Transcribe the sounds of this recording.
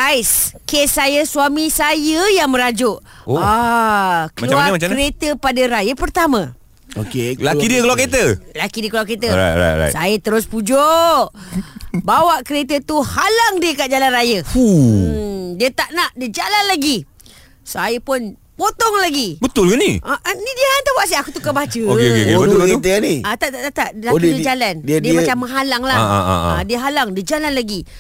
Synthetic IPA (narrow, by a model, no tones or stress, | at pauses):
ɡajskesːajəsuamisajəjaŋmə̃ɾad͡ʒʊʔ | oa | kəmaluamat͡ʃamɾet̪əpadəɾajəpərt̪amã | o̰kelakidiəkəluaket̪əlakidiəkluaket̪əa̰a̰a̰j̰sajət̪əɾʊspud͡ʒoʔ | bawaʔkəɾet̪ət̪uhalaŋdiəkaʔd͡ʒalanrajəu | diət̪aʔnaʔdid͡ʒalanlaɡi | sajəpʊn | pot̪ɔŋlaɡibət̪ʊlkaniʔaʔnidiant̪abuaʔsiakut̪ukabat͡ʃəkeokeokebət̪kiut̪əaniat̪aʔt̪aʔt̪at̪aʔlakdiəd͡ʒalandidiəmat͡ʃamːəŋɦalaŋla̰a̰diəɦalaŋdiəd͡ʒalanlaɡi